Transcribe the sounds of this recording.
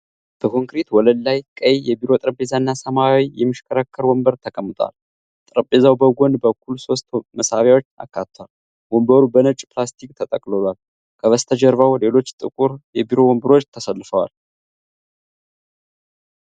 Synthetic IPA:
b̥əkʰo̞ŋkɾit̪wɔləlːajkʼəjjɛbiɾo̞t̪ʼɾəbe̞zanːasəmawijɛmːɨʃkʰəɾakʰːəɾwɔmbəɾt̪ʰəkʼəmːɨt̪ʼwa̰l | t̪ʼɾəbezawbəɡʷo̞nbəkːulso̞st̪məsaβjawo̞t͡ʃːa̰kːat̪ʰːwal | wɔmbəɾubənət͡ʃʼplast̪ʰikʼt̪ʰət̪ʼəkʼlolal | kʰəβəst̪ʰəd͡ʒəɾvawle̞lo̞t͡ʃːt̪ʼɨkʼuɾjɛbiɾo̞wɔmbɨɾo̞t͡ʃːt̪ʰəsəlːɨfəwa̰l

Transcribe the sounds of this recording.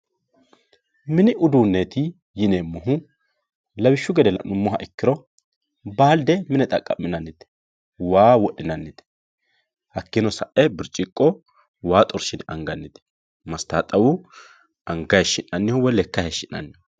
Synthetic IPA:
mɪnɪʔʊd̪uːnːeːt̪ɪ | jɪneːmːʊɦʊ | lɐbɪʃːʊɡɛd̪ɛlɐʔnʊmːɔɦɐʔɪkːɪɾɔ | baːld̪ɛmɪnɛt̪ʼɐkʼːɐ̰mːɪnɐnːɪt̪ɛ̥ | waːwɔɗːɪnɐnːɪt̪ɛ̥ | hɐkːɪnɔsɐʔɛbɪɾt͡ʃʼɪkʼːɔ | waːt̪ʼɔɾʃɪnɐŋɡɐnːɪt̪ɛ̥ | mɐst̪aːt̪ʼɐwʊ | ʔɐŋɡɐjʃɪnːɐnːɪhɔwɔlɛkːɐhɛʃːɪnːɐ̰nːɪ

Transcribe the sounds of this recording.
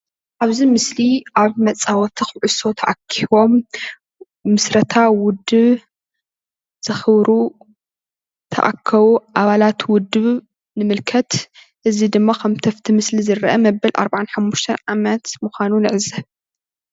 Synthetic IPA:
ʔaβzimɨsliʔaβmɐt͡sʼawɔt̪ʰixɨʕʊso̞t̪ʰɐʔakʰːiβo̞m | ɨsɾɐt̪ʰawʊd̪ɨβ | z̥ɨxɨβɾu | t̪ʰɐ̰ʔa̰kʰːɐβuʔaβalat̪wʊd̪ːɨβ | nɨmɨlkʰɐt̪ | ʔɨzid̪ɨmːakʰɐmt̪ʰɐft̪ʰimɨslizɨɾɐʔɐmɐbɐlʔa̰ɾbaʕanħamːuʃt̪ʰɐnʕamɐt̪muxʷanunɨʕɨzɐβ

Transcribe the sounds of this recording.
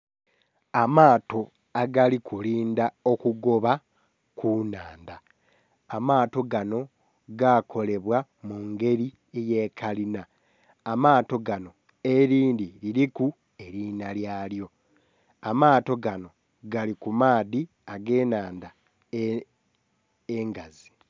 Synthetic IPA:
amaːto̞ | aɡalikʰuliːndao̞kuɡo̞βa | kʰunaːndaː | maːto̞ɡano̞ | ɡakʰo̞le̞βwamuŋɡe̞ɾi | eje̞ːkʰalinaː | maːto̞ɡano̞ | eɾiːndiliɾiku | e̞ɾinaljaːljo̞ | amaːto̞ɡano̞ | ɡalikumaːði | aɡe̞ːnaːnda | eŋɡazi̥

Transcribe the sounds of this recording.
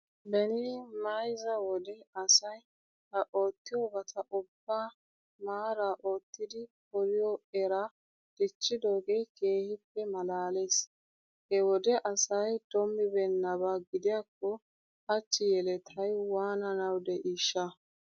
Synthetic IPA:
bɛnɪmɐjzɐwɔd̪ɛɐsɐj | hɐʔoːt̪ːɪjɔbɐt̪ʰɐʔʊbːa | maːɾaʔo̞ːt̪ːɪd̪ɪpɔlɪjɔɛɾa | d̪̥ɪt͡ʃːɪd̪o̞ːɡeke̞ːhɪpːɛmɐlaːleːs | hɛwɔd̪ɛʔɐsɐjd̪̥ɔmːɪbɛnːɐbaɡɪd̪ɪjakːɔ | ɐt͡ʃːɪjɛlɛt̪ʰɐjwaːnɐnɐwd̪ɛʔiːʃːɐ

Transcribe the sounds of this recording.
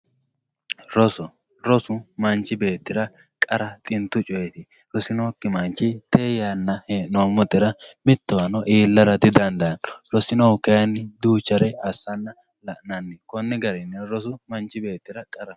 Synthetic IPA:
ɾɔsɔ | ɾɔsʊmɐnt͡ʃːɪbe̞ːt̪ːɪɾɐ | kʼɐɾɐt̪ʼɪnt̪ːʊt͡ʃʼɔjɛt̪ɪ | ɾɔsɪnoːkːɪmɐnt͡ʃːɪt̪eːjanːɐheːnomɔt̪ʼːɪɾɐmɪt̪ːɐwɐnɔʔeːlːɐɾɐd̪ɪd̪ɐnd̪ɐnɾɔsɪnɔkːɐjɐnːɪd̪uːt͡ʃːɐɾɛɐsːɐnːɐ | lɐʔnɐnːɛkɔnːɪɡɐɾɪnːɛɾɔsʊmɐnt͡ʃːɪbe̞ːt̪ːɪɾɐkʼɐɾɐ

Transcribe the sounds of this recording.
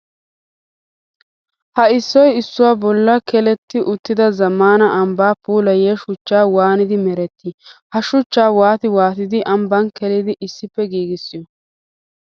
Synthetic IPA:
hɐɪsːɔjɪsːʊwaːbɔlːɐkɛlɛt̪ːɪʔʊt̪ːɪd̪ɐzɐmaːnɐʔɐmbaːpuːlɐjeːʃʊt͡ʃːaːwaːnɪd̪ɪmɛɾɛt̪ːɪhɐʃʊt͡ʃːaːwaːt̪ɪwaːt̪ɪd̪ɪʔɐmbɐnkɛlɪd̪ɪʔɪsːɪpːɛɡiːɡɪsːɪjɔ

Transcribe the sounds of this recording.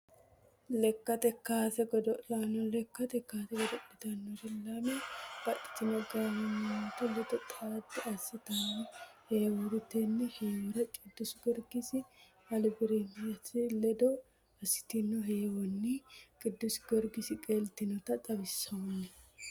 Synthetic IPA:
lɛkːɐt̪ɛkːaːt̪ɛɡɔd̪ɔʔanɔlɛkːɐt̪ɛkːaːt̪ɛɡɔd̪ɔʔɪt̪ɐnːɔd̪ɪlamɛb̥ɐᶑɪ̥t̪ːɪnɔɡɐnɐnɐɐt̪ʊlɛd̪ɔt̪ʼaːd̪ːɪɐsːɪt̪ɐnːɔhɛːwʊɾɪt̪ɛnːɛheːwɔɾɐt͡ʃʼɪd̪ːʊsɡɔɾɡɪsɪ | ɐlbɪɾenjɐtɪlɛd̪ɔ | ɐsːɪ̥t̪ɪnːɔɦejɛwɔnːikʼɪd̪ːʊsɡɔɾɡɪsɪkʼeːlt̪ːɪnɔt̪ɐt̪ʼɐbɪsːɐɔnːɛ

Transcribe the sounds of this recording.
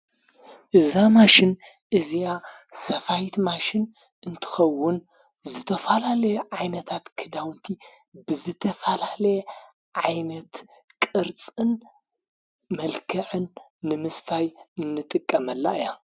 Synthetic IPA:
ʔɨzamaʃɪn | ʔɨzija | sɐfajt̪maʃɪn | ʔɨnt̪ʰɨ̥xɐwːʊn | zɨt̪ʰɐfalalɐjeʕajnɐt̪ʰat̪kʰɨd̪awnt̪ʰi | bɨzɨt̪ʰɐfalalɐjɛ | ʕajnɐt̪ | kʼɨɾt͡sʼɨn | mɐlkʰɐʕɨnː | ɨmɨsfajɨnːɨt̪ʼɨkʼːɐmɐlːaɨja

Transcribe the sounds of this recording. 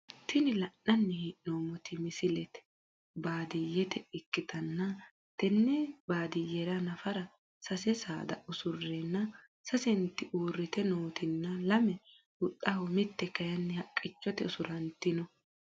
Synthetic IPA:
t̪ʰɪnɪlɐnːɐnːɛhiʔnoːmɔt̪ɪmɪsɪlɛt̪ɛ̥ | baːd̪ɪjɛt̪ɛɪkːɪt̪ɐnːɐ | t̪ɛnːɛbaːd̪ɪjɛɾɐnɐfɐɾɐ | sɐsɛsa̰ːd̪ɐ̰ʔʊsʊrːɛnːɐ | sɐsɛnt̪ːɪʔuːrːɪt̪ɛnoːt̪ɪnːɐlɐmɛ | hʊt̪ʼːɐhɔmɪt̪ːɛkɐjɐnːɛhɐkʼːɪt͡ʃːɔt̪ɛʊsʊɾɐnt̪ːɪnɔ

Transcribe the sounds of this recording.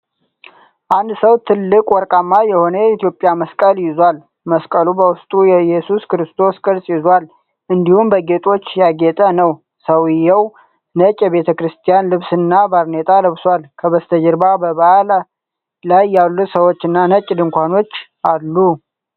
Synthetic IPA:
ʔand̪səwt̪ʰɨlːɨkʼwɔɾkʼamːajɛho̞nəjit̪jo̞pʼjaməskʼəljɪzwal | məskʼəlubəwʊst̪ʼujɛjɛsuskɾɨst̪ʰo̞skʼɨɾsʼjɪzal | ʔɨnd̪ihumbəɡe̞t̪ʼo̞t͡ʃːjaɡet̪ʼənəw | səwɪjːɛw | nət͡ʃʼːjɛβe̞t̪ʰəkɾɨst̪ʰijanlɨβsɨnːabaɾnet̪ʼaləβswalkʰəβəst̪ʰəd͡ʒɪɾbabəβal | lajːalːusəwot͡ʃːɨnːanət͡ʃʼːd̪ɨŋkʷʰano̞t͡ʃːʔalːu

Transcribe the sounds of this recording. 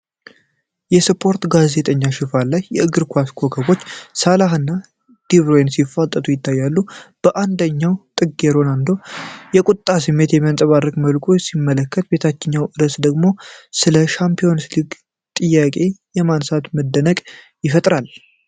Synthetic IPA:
jɛspʰo̞ɾt̪ɡaze̞t̪ʼəɲːaʃɪfalːajːɛɨɡɨɾkʰʷaskʰo̞kʰəbo̞t͡ʃːsalaɦɨnːa | d̪̥iβɾojensifat̪ʼːət̪ʰʼujɪt̪ʰːajːalːub̥əʔand̪əɲːawt̪ʼɨɡːeɾo̞nand̪o̞jɛkʷʼut̪ʼːasɨmːe̞t̪jɛmansʼəβarːəkʼməlkʼusimːələkːət̪̚be̞t̪ʰat͡ʃːɪɲːawʔɨɾəsd̪əɡmo̞sɨləʃampʰijo̞nsliɡ | t̪ʼɨjːakʼe̞jɛmansat̪məd̪ːənəkʼ | jɪfət̪ʼɾal

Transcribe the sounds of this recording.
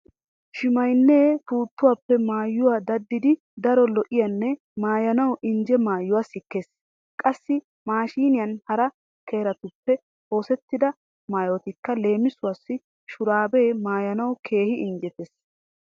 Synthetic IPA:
ʃɪmɐjnːeːfuːt̪ːʊwaːpːɛmaːjːʊwaːd̪ɐd̪ːɪd̪ɪ | d̪ɐɾɔlɔʔɪjɐnːɛ | maːjɐnɐwʊʔɪɲd͡ʒɛmaːjːʊwaːsɪkːeːs | kʼɐsːɪ | maːʃiːnɪjɐnhɐɾɐ | kʰeːɾɐt̪ʊpːɛ | ho̞ːsɛt̪ːɪd̪ɐ | maːjot̪ɪkːɐle̞ːmɪsʊwasːɪ | ʃʊɾaːbe̞ːmaːjɐnɐwʊkʰe̞ːhɪʔɪnd͡ʒɛt̪eːs

